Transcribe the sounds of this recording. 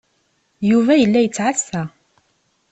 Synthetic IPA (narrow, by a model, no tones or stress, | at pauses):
juvæjəlːæjət͡sːʕasːæ